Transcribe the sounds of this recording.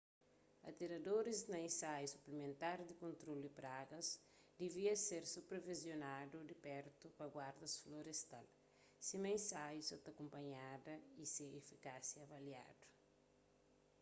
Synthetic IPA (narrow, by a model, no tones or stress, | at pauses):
ɐ̰t̪iɾɐdoɾiznɐẽnsajusu̥plemẽnt̪aɾd̪ikõnt̪ɾoldipɾaɡɐs | d̪eviɐseɾsupɾevizjonadud̪ipɛɾt̪upɐɡwaɾd̪ɐsfloɾest̪al | simɐẽsajusot̪ɐkõmpɐɲadɐiseefikasjɐːvalja̰d̥u̥